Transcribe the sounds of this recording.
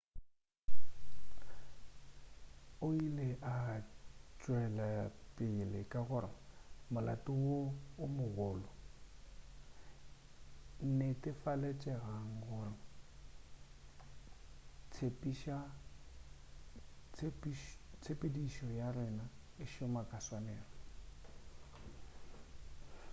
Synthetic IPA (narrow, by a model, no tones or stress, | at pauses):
ʊileʔa | t͡ʃʼwɛlapʼɪlɪkʼaɣʊɾɪ̰mʊlatʼʊwoʊmʊɣʊːlɔ | n̩netʼɪfalɛt͡ʃʼɛɣaŋ̩ɣʊrɪ | t͡sʰepʼiʃa | t͡sʰpiʃt͡sʰepʼediʃɔjarɪna | ɪʃʊmakʼaswanɛːrɔ